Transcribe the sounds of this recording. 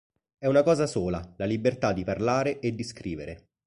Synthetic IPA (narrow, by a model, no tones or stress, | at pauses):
ɛunakɔːzasoːlalalibert̪ad̪ːiparlaːɾeʔed̪ːiskɾiːveɾe